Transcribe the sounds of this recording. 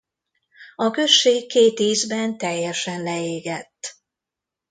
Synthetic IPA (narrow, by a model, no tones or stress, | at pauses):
ɒkø̞ʃːeːkːeːt̪iːzbɛnt̪ɛjːɛʃɛnlɛeːɡɛt̪ː